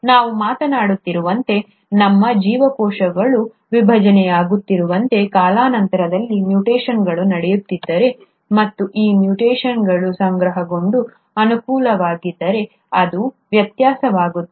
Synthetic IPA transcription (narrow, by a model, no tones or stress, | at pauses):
naːʋumaːt̪ɐnaːɽut̪ːiɾuʋɐnt̪e̞ | nɐmːɐd͡ʒiːʋɐkɔːʃɐɡɐɭu | ʋibʱɐd͡ʒɐnɛjaːɡut̪ːiɾuʋɐnt̪e̞kaːlaːnɐnt̪ɐɾɐd̪ɐlːimjuʈeːʃɐnɡɐɭunɐɽɛjut̪ːid̪ːɐɾe̞ | mɐt̪ːuʔiːmjuʈeːʃɐnɡɐɭusɐŋɡɾɐɦɐɡo̞ɳɖu | ɐnukuːlɐʋaːɡid̪ːɐɾe̞ | ɐd̪u | ʋjɐt̪jaːsɐʋaːɡut̪ː